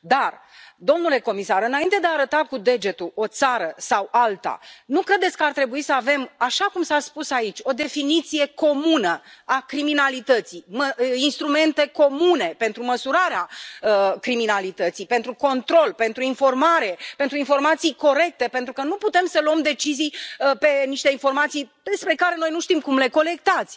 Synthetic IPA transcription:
d̪ard̪o̞mnule̞ko̞misaɾɨnaint̪e̞d̪eaɾət̪akud̪e̞d͡ʒe̞t̪uo̞t̪saɾəsawalt̪a̰nukɾe̞d̪e̞t̪sʲkəart̪ɾe̞buisəave̞maʃakumsaspusait͡ʃʲo̞d̪e̞finit̪sije̞ko̞munəakɾiminalit̪ət̪sijməinst̪ɾume̞nt̪e̞ko̞mune̞pe̞nt̪ɾuməsuɾaɾeaəkɾiminalit̪ət̪sijpent̪ɾuko̞nt̪ɾo̞lpe̞nt̪ɾuinfo̞rmaɾe̞pe̞nt̪ɾuinfo̞rmat̪sijko̞ɾe̞k̚t̪e̞pent̪ɾukənuput̪e̞msəluəmd̪e̞t͡ʃizijpe̞niʃt̪e̞info̞rmat̪sijd̪espɾe̞kaɾe̞no̞jnuʃt̪imkumle̞ko̞le̞kt̪at̪sʲ

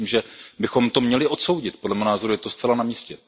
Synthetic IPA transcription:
imʒɛbɪxo̞mt̪o̞mɲɛlɪʔo̞t̪so̞wɟɪt̪̚podlɛmɛɦonaːzo̞ɾujɛt̪ost͡sɛlanamiːscɛ

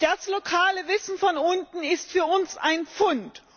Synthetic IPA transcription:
d̥aslokʰaːləvɪsn̩fɔnʔʊntn̩ɪstfyːɐʊnsa̰ɪnp͡fʊnt

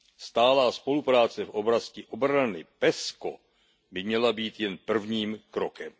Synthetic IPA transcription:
st̪aːlaːspo̞lupɾaːt͡sɛfʔoblascɪʔo̞bɾanɪpɛsko̰ | bɪmɲɛlabiːt̪jɛnpr̩vɲiːmkɾokɛm

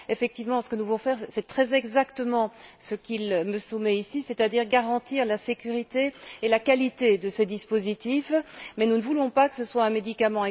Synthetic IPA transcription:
efɛk̚t̪ivmɑ̃sə̥kənuvulɔ̃fɛʁsɛt̪χɛzɛɡzakt̪əmɑ̃səkʲilməsumɛisisɛt̪ad̪iːʁɡaʁɑ̃t̪iʁlasekʲyʁit̪eːlakalit̪ed̪əsed̪ispozit̪ifmɛnunəvulɔ̃pakə̥səswaɛ̃med̪ikamɑ̃ɛ̃

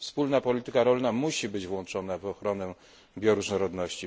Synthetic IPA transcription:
fspulnapɔlʲit̪ɘkaɾɔlnamuɕibɘd͡ʑvwɔnt͡ʂɔnavɔxɾɔnɛ | bʲjɔɾuʐnɔɾɔd̪nɔɕt͡ɕi

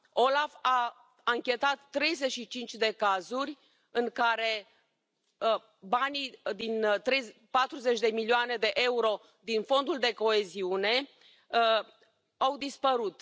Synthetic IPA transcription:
o̞lafa | aŋkʲe̞t̪at̪ːɾe̞jze̞ʃit͡ʃint͡ʃʲd̪e̞kazurʲ | ɨŋkaɾe̞ | banid̪int̪ɾe̞j | pat̪ɾuze̞t͡ʃʲd̪e̞milioane̞d̪e̞ʔe̞uɾo̞ | d̪info̞nd̪uld̪e̞ko̞e̞ziune̞ | awd̪ispəɾut̪

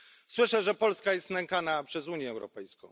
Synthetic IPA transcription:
swɘʂɛʐɛpɔlskajɛst̪nɛŋkanapʂɛzuɲjɛːwɾɔ̰pɛjskɔ̃w̃

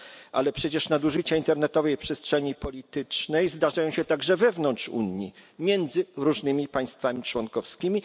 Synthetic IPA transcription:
ʔa̰lɛpʂɛt͡ɕɛʂnad̪uʐɘt͡ɕaint̪ɛɾnɛt̪ɔvɛjpʂɛstʂɛɲipɔlʲit̪ɘt͡ʂnɛjzd̪aʐajɔ̃w̃ɕɛt̪aɡʐɛvɛvnɔntt͡ʂṵɲːḭmʲjɛnd̪zɘɾuʐnɘmʲipaj̃st̪famʲit͡ʂwɔnkɔfskʲimʲi

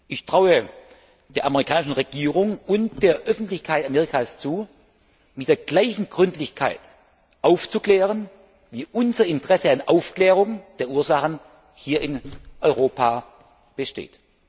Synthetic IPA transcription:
ʔɪçtʁ̥aʊə | d̥eːɐʔaməʁikʰaːnɪʃn̩ʁeɡ̥iːʁ̞ʊŋʊnt̚d̥eːɐʔœfn̩tlɪçkʰaɪtameːʁikʰaːst͡suː | mɪt̚d̥eːɐɡ̥laɪçn̩ɡʁʏntlɪçkʰa̰ɪt | ʔaʊft͡suklɛːʁ̞ən | viːʔʊnzɐɪntʁ̥ɛsəanʔaʊfklɛːʁ̞ʊŋd̥eːɐʔuːɐzaχən | hiːɐɪnʔɔʏʁoːpʰaː | b̥əʃtḛːt

